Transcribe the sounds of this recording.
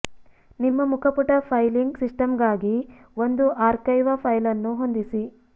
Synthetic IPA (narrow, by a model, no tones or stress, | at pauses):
nimːɐmukʰɐpuʈɐpʰɐjliŋɡsisʈɐmɡaːɡi | ʋo̞nd̪uʔaːɾkɐjʋɐpʰɐjlɐnːuɦo̞nd̪isi